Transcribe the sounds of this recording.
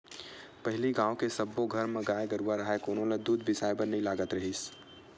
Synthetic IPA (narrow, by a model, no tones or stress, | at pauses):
pəɦɪliɡãːokesəbːoɡʱəɾmẽɡaːjɡəɾuaɾɐɦekoːnõled̪uːd̪̚bɪsaːjbəɾnɐĩlaːɡət̪ɾɐɦis